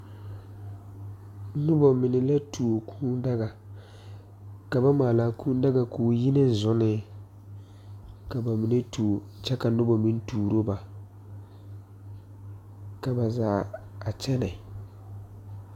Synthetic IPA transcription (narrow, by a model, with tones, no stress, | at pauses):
nʊ˦bɔ˨mɪ˨nɪ˨la˦tʰu˨o˨kʰuː˦n˦da˦ɡa˨ | ka˨ba˦maː˨la˨kũː˦n˦da˦ɡa˨kuː˨ji˦nɪ˦n̩˨zʊ˦nɪ˦ | ka˨ba˨mɪ˨nɪ˦tʰu˨ | t͡ʃɛ˦ka˨nʊ˦bɔ˨mi˦n˦tuː˨ɾo˦ba˨ | ka˨ba˨zaː˨ | a˨t͡ʃɛ˦nɪ˨